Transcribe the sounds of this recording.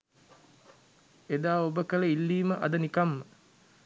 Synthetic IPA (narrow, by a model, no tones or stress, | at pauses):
ed̪aːobəkələilːiːməʔa̰d̪ənikamːə